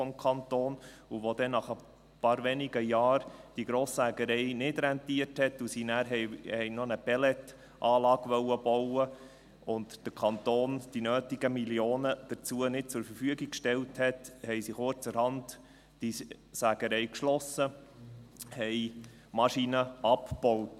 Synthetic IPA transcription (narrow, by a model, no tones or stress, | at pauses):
fɔmkʰɑntoːnuʋod̪ɛnɑχə | pɑːɾʋɛniɡəjɑːɾd̥iɡɾoːsːæɡəɾɛɪnɪdɾɛntiəthɛtusinæːɾɦɛhɛɪnɔnəb̥ɛlɛt | ʔɑːlɑːɡʋœwəbɔwə | ʊntd̥əɾkʰɑnt̪oːnd̥inøːtɪɡ̥əmiljoːnəd̥ət͡suənɪt̚t͡sʊɾfəɾfyəɡik̚kʃtɛlthɛthɛɪjsɪχoɾt͡səɾhɑnt | d̥i | sæɡ̥əɾɛɪkʃlɔsə | hɛj | mɑʃinəʔɑpb̥ɔwt